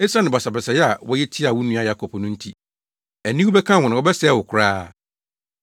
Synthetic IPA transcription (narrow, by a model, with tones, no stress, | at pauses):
e˦sa˦nɪ̃˨bɔ˨sa˨bɛ˨sɛ˨jɛ˦a˨wɔ˦jɛ˦tʰi˦a˨wʊ˦nũ˦a˦ja˦kʰɔ˨pʰɔ˨nʊ̃˦n̩˦tʰi˦ | æ˨nĩ˦wu˦bɛ˦kʰã˦˨ʊ˨nɪ̃˨wɔ˦bɛ˦sɛ˦wʊ˨kʰʊ˨ɾaː˦